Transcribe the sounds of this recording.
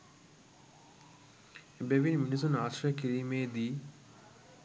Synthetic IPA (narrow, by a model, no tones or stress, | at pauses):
ebeʋinminis̬unaːʃrɐjəkiɾiːmeːd̪iː